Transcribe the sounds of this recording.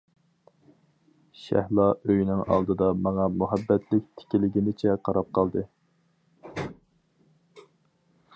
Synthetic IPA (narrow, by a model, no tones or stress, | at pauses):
ʃæ̰hlˠɑʔøjnɪŋɑ̰lˠd̪ɨd̪ɑmɑŋɑmuɦæbːɛt̪ʰlɪk̚ʲt̪ʰɪ̥kʲilɪɡʲinɪt͡ʃʰɛqʰɑɾɑp̚qʰɑlˠd̪ɨ